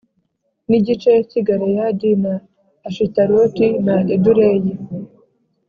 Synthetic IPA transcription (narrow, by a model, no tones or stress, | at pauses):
niɟit͡ʃejaciɡaɾejadinaː | ʃitaɾotinaʔeduɾeje